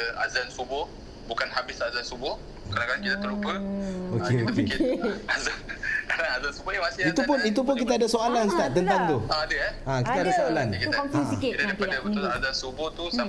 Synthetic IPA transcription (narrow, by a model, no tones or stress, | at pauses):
a̰zansubɔ | bukanhabɪsazansubɔ | kənakankit̪at̪əlupəokeokiḛɪazakanaazansubɔnimãsɪit̪upʊnit̪up̬ʊnkit̪̬aadasoalanst̪aʔt̪ənt̪aŋt̪uaadəjaakit̪adasoalankuɔmsiikɪt̪t̪padabət̪ʊlazansubɔht̪usa